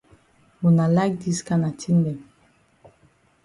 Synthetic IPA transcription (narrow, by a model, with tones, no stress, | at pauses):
wu˨na˨la˦k̚di˦ska˦na˨tʰi˦ndɛ˨m